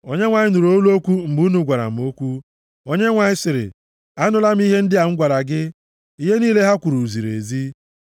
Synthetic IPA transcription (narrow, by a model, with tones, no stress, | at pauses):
o˦ɲe˦ŋʷa˨ɲɪ˦nu˨ɾo˦lo˦kʷu˦m̩˨ɡ͡bu˦nu˨ɡʷa˨ɾa̰˨m̩˨o˦kʷu˦ | o˦ɲe˦ŋʷa˨ɲɪ˦sɪ˨ɾɪ̰˨ | a˦nʊ˦la˦m̩˦i˦ɦe˦n̩˦dɪ˦a˨ŋ̩˦ɡʷa˨ɾa˨ɡɪ˦ | i˦ɦe˦niː˦le˦ɦa˦kʷu˨ɾu˨zi˨ɾḛ˨zi˦